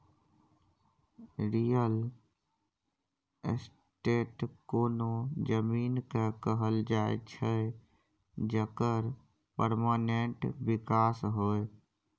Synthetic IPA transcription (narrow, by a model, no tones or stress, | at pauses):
ɾijəl | s | ʈeːʈkoːnod͡ʒəmiːnkekəɦəld͡ʒaːḛt͡ʃʰə | d͡ʒəkəɾ | pəɾmaːnẽɳʈbɪkaːsɦoːe